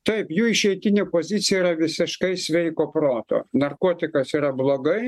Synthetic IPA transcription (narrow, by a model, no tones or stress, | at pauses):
t̪ɐɪpjuːɪʃʲɛɪt̪ʲɪnʲepoːzʲɪt̪sʲɪjɛiɾɐʋʲɪsʲɪʃkɐɪsʲʋʲɛɪkoːpɾoːt̪o̰ːnɐrkoːt̪ʲɪkɐsiːɾɐblˠoːɡɐɪ